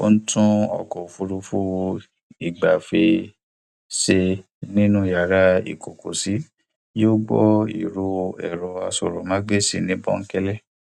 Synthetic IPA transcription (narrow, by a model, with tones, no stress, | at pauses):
o̰˦n̩˦tũ˦ɔ̰˨kɔ˨fu˧ɾu˧fu˦ | i˨ɡ͡ba˨fe˧ | se˧ | nĩ˦nũ˦ja˨ɾa˦ḭ˨ko˨ko˨si˨˦ | joː˦ɡ͡bɔ˦ḭ˨ɾo˧ɛ̰˨ɾɔ˧a˧sɔ˨ɾɔ˨mã˨˦ɡ͡be˦si˧˨nĩ˦bɔ̰˦ŋ̩˦kɛ˦lɛ˦